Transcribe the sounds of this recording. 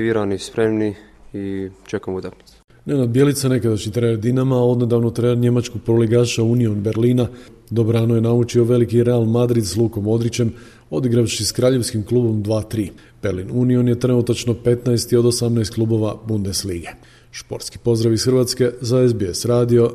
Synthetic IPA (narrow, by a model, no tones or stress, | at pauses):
ʋiɾanispɾemni | it͡ʃekamut̪akni̥t̪se̥ | nenad̪̚bje̞lit̪sane̞kad̪aʃɲit̪ɾeed̪inamao̞d̪ned̪aʋnot̪ɾenɾɲe̞mat͡ʃkoɡ̚pɾoleɡaːʃaunio̞nbe̞ɾliːnad̪obɾaːnuje̞naut͡ʃio̞ʋe̞likiɾealˠmad̪ɾid̪slˠuːko̞mo̞d̪ɾit͡ɕe̞m | o̞d̪iɡɾaʋʃiskɾaːʎe̞ʋskimklˠuːbo̞md̪ʋaːt̪ɾiː | b̥e̞ɾlinunio̞nje̞t̪ɾe̞nut̪at͡ʃno̞pe̞t̪naest̪io̞d̪o̞samnaest̪̚klˠuːbo̞ʋabund̪e̞sliːɡe | ʃpo̞̰ɾt̪ski̥po̞zd̪ɾaʋisxɾʋat̪ske̞zaezbeesɾaːd̪io̞